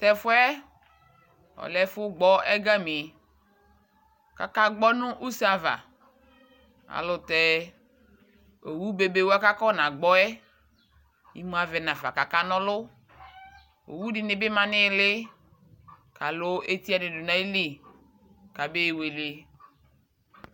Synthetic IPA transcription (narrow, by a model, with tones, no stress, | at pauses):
tɛ˨fʊ˦ɛ˦ | ɔ̰˨lɛ˦fʊ˦ɡ͡bɔ˦ɛ˦ɡa˦mɪ˨ | ka̰˨ka˦ɡ͡bɔ˦nʊ̃˦ʔu˦sa˨va̰˨ | a̰˨lʊ˨tɛ˦ | o˨wu˦be˨be˨wo˦a˦ka˦kɔ˦˨nã˨ɡ͡bɔ˦ɛ˦ | ḭ˨mũ˦a˨vɛ˨nã˨va̰˨ka˨ka˦nɔ̃˦lʊ˦ | o̰˨wu˦dɪ˨nɪ˨bɪ˦mã˨nɪ˦lɪ˦ | ka˨lʊ˦e˦t̪i˦a˦nɪ˨dʊ˨na˨˦i˦li˦ | ka˨be˦˨we˨le˨˦